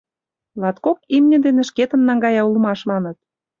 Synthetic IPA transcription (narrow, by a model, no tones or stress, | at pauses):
lɑt̪kokimnʲə̆d̪enĕʃket̪ə̆nːɑŋɡɑjɑulə̆mɑʃmɑnə̆t̪̚